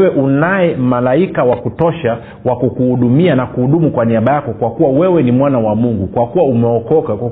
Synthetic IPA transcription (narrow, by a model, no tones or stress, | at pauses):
wɛʔunajɛmalaikawakutɔʃa | wakɔkuhuɗumianakuhuɗumukwaniaɓajakɔkwakuwawɛwɛnimwanawamuŋɡukwakuwaumɛɔkɔkak